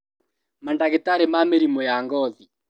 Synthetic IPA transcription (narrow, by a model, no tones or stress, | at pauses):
mandaɣetaɾemameɾimojaːŋɡɔði